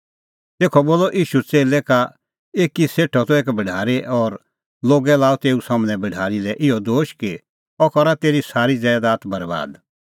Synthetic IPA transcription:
t̪eːkʰɔboːlɔʔiːʃut͡seːlɛka | eːkiseːʈʰɔt̪ɔeːkbɐɖʱaːɾeʔɔːɾ | loːɡɛlaːut̪eːusãːmñɛ̃bɐɖʱaːɾilɛʔɪɔd̪oːʃki | ɔkɔɾat̪eːɾisaːɾid͡zɛːd̪aːt̪bɐɾba̰ːd̪

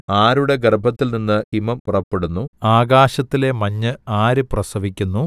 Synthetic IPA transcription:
aːɾuɽe̞ɡerbʱɐt̪ːilninːɨimɐmpurɐpːe̞ɽunːuaːɡaːɕɐt̪ːile̞mɐɲːɨaːɾɨprɐsɐʋikʲːunːu

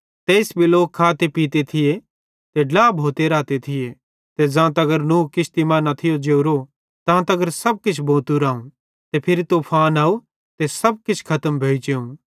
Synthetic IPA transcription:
t̪eːɪsbʱiloːkʰːaːt̪epiːt̪et̪ʰɪje | t̪eɖlaːbʱoːt̪eɾaːt̪et̪ʰɪje | t̪ed͡ʒãːt̪̬ɐɡəɾnũːkɪt͡ʃʰt̪imaːnat̪ʰɪjod͡ʒeːuɾo | t̪ãːt̪ɐɡəɾsɐb̚kɪt͡ʃʰbõːt̪uɾaːũ | t̪epʰɪɾit̪opʰaːnaːu | t̪esɐb̚kɪt͡ʃʰkʰɐt̪əmbʱeːt͡ʃeũ

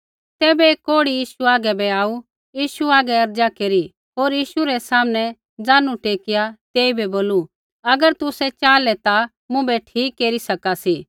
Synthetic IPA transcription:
t̪ɛːbɛeːkoːɽijiːʃuaːɡɛbɛaːu | jiːʃuaːɡɛɐɾd͡ʒakeːɾi | ɦoːɾjiːʃuɾɛsaːmnɛ̃ | d͡zaːnũʈeːkɪjat̪eːibɛboːlu | ɐɡəɾt̪ʊsɛt͡ʃaːlɛt̪a | mʊ̃bɛʈʰiːkːeːɾisɐkasiː

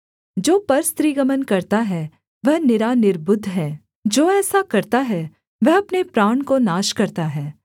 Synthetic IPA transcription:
d͡ʒoːpɐɾst̪ɾiːɡəmənkɐɾt̪aɦɛ | ʋɐɦnɪɾaːnɪɾbʊd̪ʱɦɛː | d͡ʒoːɛːsakɐɾt̪aɦɛ | ʋɐɦɐpnepɾaːɳ̃konaːʃkɐɾt̪aɦɛː

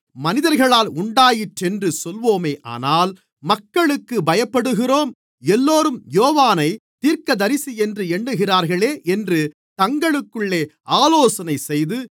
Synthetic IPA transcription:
mɐnɪðɐɾɣɐɭaːlʊɳɖaːjɪʈrɛndrɯsɔlʋoːmeːʔa̰ːnaːl | mɐkːɐɭɯkːɯbɐjɐpːɐɽɯɣɪroːm | ɛlːoːɾɯmjoːʋaːnɐɪt̪iːɾkɐd̪ɐɾɪsiɛndrɯɛɳɖɯɣɪraːɾɣɐɭeːʔɛndrɯ | t̪ɐŋɡɐɭɯkːɯɭːeːʔaːloːsɐnɐɪsɛjðɯ

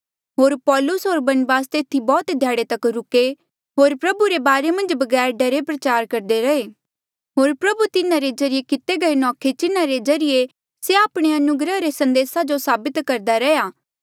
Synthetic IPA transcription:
ɦoːɾpɔːlʊsɦoːɾbɐnbaːst̪et̪ʰːibɔːt̪d̪ʱjaːɽet̪ɐkɾʊke | ɦoːɾpɾɐbuɾebaːɾemɐ̃nd͡ʒbɐɡɛːɾɖɐɾepɾɐt͡ʃaːɾkɐɾd̪eɾɐeː | ɦoːɾpɾɐbut̪ɪnãɾed͡ʒɐɾijekɪt̪eɡɐenɔːkʰet͡ʃɪnãɾed͡ʒɐɾɪje | seaːpɽ̃eɐnʊɡɾəɦɾesɐ̃nd̪eːsad͡ʒosaːbɪt̪kɐɾd̪aɾɛjaː

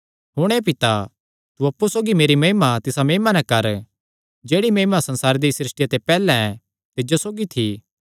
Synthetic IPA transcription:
ɦʊɽ̃epɪt̪a | t̪uɐpːusoːɡimeːɾimɐɦimat̪ɪsameːɪmanɛ̃kɐɾ | d͡ʒeːɽimɐɦimasɐ̃nsaːɾed̪isɾɪsʈɪjat̪epɛːlɛ̃ɛ̃ | t̪ɪd͡ʒosoːɡit̪ʰi

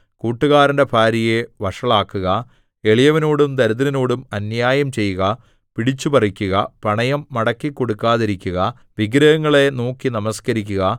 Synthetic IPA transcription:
kuːʈːuɣaːɾɐndebʰʱaːɾijeʋɐʂɐɭaːkːuɣɐ | e̞ɭijɐʋɐnoːɽumt̪ɐɾuðɐɾɐnoːɽumɐnjaːjɐmt͡ɕe̞jːuɣɐ | piɽit͡ɕːupɐrikʲːuɣɐpɐɳɐjɐmːɐɽɐkːikːo̞ɽukːaːðiɾikʲːuɣɐ | ʋiɡɾɐɣɐŋːɐɭe̞noːkːinɐmɐskɐɾik̬ʲːuɣɐ

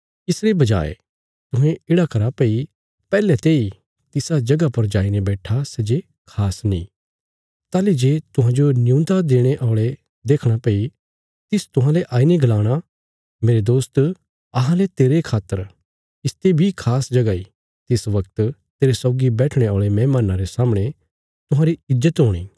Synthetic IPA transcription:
ɪsɾebɐd͡ʒa̰ːḛ | t̪ʊɦẽɪɽakɐɾapei | pɛːlɛt̪eːi | t̪ɪsad͡ʒɐɡapɐɾd͡ʒaːinebɛːʈʰasɛːd͡ʒe | kʰaːsnḭ̃ | t̪aːlid͡ʒeːt̪ʊɦãd͡ʒonɪjũːnd̪ad̪eːɽ̃eʔɔːɭe | d̪eːkʰɽ̃apɐi | t̪ɪst̪ʊɦãleʔaːineɡɐlaːɽ̃a | meːɾed̪oːst̪ | ɐɦãlet̪eːɾekʰaːt̪ːəɾ | ɪst̪ebʱikʰaːsd͡ʒɐɡai | t̪ɪsʋɐk̚t̪t̪eːɾesɔːɡibɛːʈʰɽ̃eɔːɭemɛ̃ːmaːnaɾesaːməɽ̃e | t̪ʊɦãɾiɪzːət̪ɦoːɽ̃iː

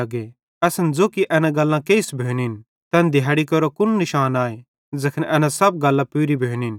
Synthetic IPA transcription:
ɐɡe | ɛsɐnd͡zoːkiʔɛnãɡɐlːãkeːɪsbʱeːnɪn | t̪ɛ̃nd̪ʱɪjaːɽikɐɾokʊnnɪʃaːnaːe | d͡zɐkʰnʔɛnãsɐb̚ɡɐlːãpuːɾibʱeːnɪn

